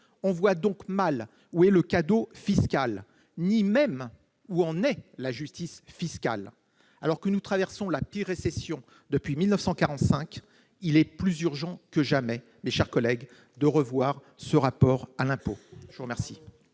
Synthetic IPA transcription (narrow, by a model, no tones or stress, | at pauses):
ɔ̃vwad̪ɔ̃kmal | uɛləkad̪ofiskal | nimɛm | uɑ̃nɛlaʒyst̪isfiska̰l | a̰lɔʁkənut̪χavɛʁsɔ̃lapt̪iʁesɛsjɔ̃ | d̪əpɥimilnəfsɑ̃kaʁɑ̃t̪sɛ̃k | ilɛplyzyʁʒɑ̃kəʒamɛ | meʃɛʁkɔlɛɡ | d̪əʁəvwaʁ | səʁapɔʁalɛ̃poʒəvuʁəmɛʁsi